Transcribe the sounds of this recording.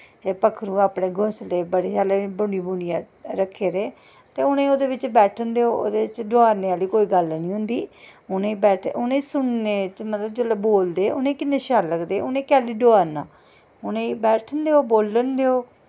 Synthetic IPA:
eːpəkʰɾũːaːpɽeːɡʱʊsleːbəɽeːd͡ʒaːleːbʊɳɖiːbuɽɪjãː | ɾəkʰːeːɾeː | t̪eːʊnẽːoːd̪eːʋɪt͡ʃbɛːʈʰənd̪eːoːo̰ːd̪eːɪt͡ʃɖoaːɾneːaːliːkoːiːɡəlnĩːɦʊ̃nd̪iːʊnẽːbɛːʈʰʊnẽːsʊnneːt͡ʃmət̪ləbd͡ʒolboːld̪eːʔʊnẽːkɪnːẽːʃaːləɡd̪eːʊnẽːkɛːliːɖoaːɾnãː | ʊnẽːbɛːʈʰənd̪eːoːboːlːənd̪eːoː

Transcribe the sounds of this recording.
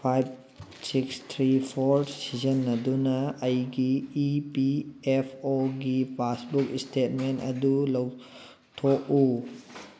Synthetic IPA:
pʰajb̚ | sikstʰɾipʰoɾsizɐnːɐdunɐɐjɡiːpiepʰoɡipasbukistet̚mentɐ̰dulɐw | tʰok̚u

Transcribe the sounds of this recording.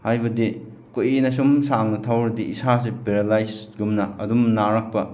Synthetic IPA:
hajbɐdi | koʔinɐsumsaŋnɐtʰawɾɐdiisas̬epeɾelajsɡumnɐɐ̰dumnaɾɐk̚pɐ

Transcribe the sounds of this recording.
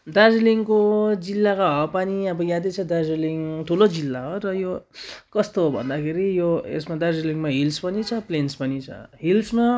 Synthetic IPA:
d̪ad͡zliŋkod͡zilːakaɦʌpaniʌbʌjad̪et͡sʰʌd̪ad͡zeliŋt̪ʰulod͡zilːaɦorʌjokʌst̪oɦobʱʌ̰nd̪akʰeɾijoḛsmad̪ad͡zliŋmaɦilspʌnit͡sʰʌplenspʌnit͡sʰʌ̰ɦilsma

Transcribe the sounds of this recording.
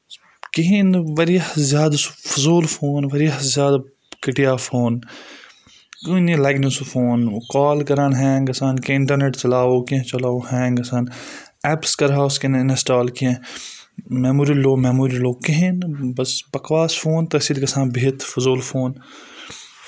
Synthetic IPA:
kɪɦɪ̃nʋɐɾjazjaːd̪fʊzoːlfʰoːnʋɐɾjazjaːd̪ | kɪʈijaːfʰoːn | kunilaːɡnosufʰoːnkaːlkɐɾaːnɦɛ̃ːɡɐsaːnkẽɪɳʈəɾneːʈt͡ʃɐlaːoːkẽt͡ʃɐlaːohɛ̃ːɡɐsaːn | ɛːpskɐɾɦaːskennesʈaːlkː | mɛːmuːɾiloːmɛːmoːɾiloːkɪɦinbɐsbɐkʋaːsfʰoːnt̪ɐsiːd̪ɡɐsãːnbeːt̪ʰfʊzoːlfʰoːn

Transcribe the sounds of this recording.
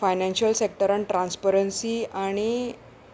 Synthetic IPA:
fajnãnɕəlsek̚ʈəɾaɳʈɾãnspəɾənsiaɽ̃i

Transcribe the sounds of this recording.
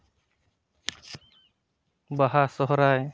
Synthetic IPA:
baɦasɔɦɔɾaj

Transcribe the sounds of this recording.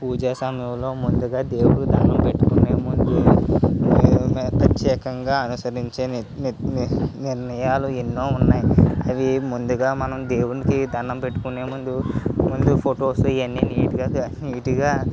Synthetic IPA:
puːd͡ʒaːsɐmjɐmlo̞ːmund̪uɡaːd̪e̞ːwuɽukid̪ʱɐnɐmpe̞ʈːukuneːmund̪u | pɾɐt̪jɛːkɐŋɡaːɐnusɐɾiɲt͡ʃe̞ː | niɾnɐjaːluenːo̞ːunːaːjiɐʋimund̪uɡaːmɐnɐmd̪e̞ːwunikid̪ʱɐnːɐmpe̞ʈːu̥kuneːmund̪umund̪upʰoʈo̞ːsuiɐnːiːniːʈuɡaːniːʈuɡaː

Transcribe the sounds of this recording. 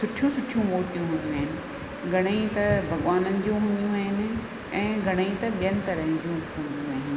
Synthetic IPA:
sʊʈʰjũsʊʈʰijũʋoːʈijũɦũnd̪ijũaːɦɪnɪ̆ | ɡʱɐɽ̃eit̪ɐbʱɐɡʋaːnənɪ̆d͡ʑiũɦʊ̃nijũaːɦɪnɪ̆ | ɛ̃ːɡʱɐɽ̃əit̪ɐɓijənɪ̆t̪ɐɾəɦɪ̃d͡ʑũhũnd̪jũaːɦɪnɪ̆

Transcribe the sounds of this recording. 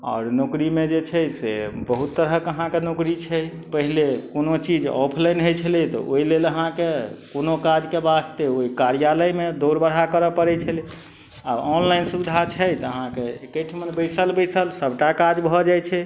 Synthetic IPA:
aɔ̰ːɾnokɾimed͡ʒet͡ʃʰɛsḛbəɦut̪ːəɾɦəkəɦãkenokɾit͡ʃʰɛ | pəɦilekonot͡ʃid͡ʒɔ̰pʰlajnɦojt͡ʃʰəlɛt̪ɔ̰ʔo̰ileləɦãkekonokad͡ʒkebast̪eoikaɾijaləjmed̪oɾbəɽ̤ɦakəɾəpəɾɛt͡ʃʰəli | aɔnlaɪnsubid̪ʱat͡ʃʰəjt̪ɔəɦãkeekəʈʰmənbəjsəlbəsəlsəbʱʈakad͡ʒbʱɔd͡ʒajt͡ʃʰɛ

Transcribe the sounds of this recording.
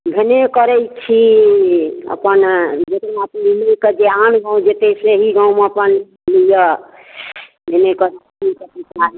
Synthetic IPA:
bʱenekəɾɛjt͡ʃʰi | ə̰pənd͡ʒekɾnapimeked͡ʒeanɡãw̃d͡ʒet̪eseɦiɡãwmeəpən | lijə | bʱenekəɾ | ikepita

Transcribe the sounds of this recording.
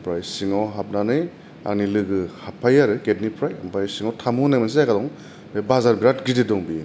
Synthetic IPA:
pʰɾajsiŋɔwɦap̚nanɯj | a̰k̚nilɯɡɯhapʰːajaɾɯɡet̚nipʰɾaja̰mpʰajsiŋɔwtʰamunajmans̬iajkadɔŋ | bebazaɾbiɾat̚ɡididɔŋbi

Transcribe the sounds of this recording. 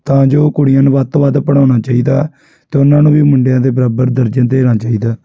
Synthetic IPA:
t̪ãːd͡ʒoːkʊɽɪjãːnːʋət̪ʋad̪pəɽ̃ãːnaːt͡ʃaːiːd̪aː | t̪eːʊnãːnũːʋiːmʊɳɖjãːd̪eːbəɾaːbəɾd̪əɾd͡ʒənd̪eːnaːt͡ʃaːiːd̪aː

